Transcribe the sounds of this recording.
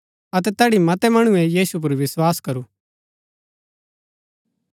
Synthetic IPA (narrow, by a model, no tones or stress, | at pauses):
ɐt̪ɛt̪ɛːɽimɐt̪ɛmɐɽ̃ʊɛjiːsup̬ʊɾʋɪswaːskɐɾuː